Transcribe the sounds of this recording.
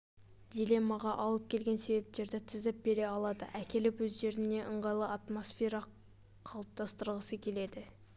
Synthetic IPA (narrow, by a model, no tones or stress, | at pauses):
d̪̥ʲile̞mːɑʁɑʔɑlˠəp̚kʲʰe̞lɡʲe̞nse̞be̞p̚t̪e̞ɾd̪ɪt̪ʰɪzɪp̚be̞ɾe̞ɑlˠɑd̪ə̰ʔækʲe̞lɪpwɵzʒe̞ɾɪne̞ʔəɴʁɑjlˠəat̪mo̞sfʲeɾɑ | qʰɑlˠəp̚t̪ɑst̪əɾʁəsəkʲʰe̞le̞d̪ɪ